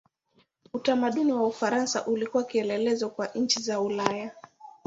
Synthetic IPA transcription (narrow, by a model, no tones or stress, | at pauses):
utamaɗuniwaufaɾansa̰ʔulikuwakiɛlɛlɛzɔkwaʔɲ̩t͡ʃizaulaja